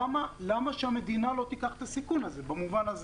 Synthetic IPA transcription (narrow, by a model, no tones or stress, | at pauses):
malamaʃehame̞d̪inalo̞t̪ikaχet̪asikunazebamuvanaz